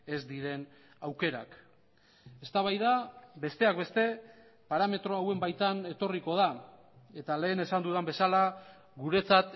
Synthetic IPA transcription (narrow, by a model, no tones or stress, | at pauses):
e̞zd̪iɾe̞n | awke̞ɾa̰k | e̞st̪aβajðabe̞st̪e̞akbe̞st̪e̞ | paɾame̞t̪ɾo̞awe̞mbajt̪ane̞t̪o̞riko̞ða | e̞t̪ale̞ːne̞sand̪uðambe̞sala | ɣuɾe̞t͡sat̪